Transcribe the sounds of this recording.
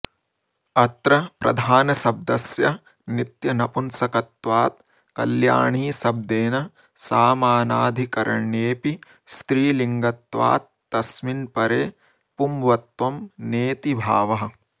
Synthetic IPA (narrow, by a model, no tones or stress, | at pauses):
ɐt̪ɾɐpɾɐ̰d̪ʱaːnɐsɐb̚d̪ɐsjɐ | nit̪jɐnɐpunsɐkɐt̪ʋaːt̪̚ | kɐ̰lja̰ːɳiːsɐb̚d̪eːnɐ | saːmaːnaːd̪ʱikɐɾʔɐ̰ɳːeːpi | st̪ɾiːliŋɡɐt̪ʋa̰ːt̪̚ːɐsminpɐɾeː | pumʋɐt̪ʋɐmneːt̪ibʱa̰ːʋɐɦɐ̆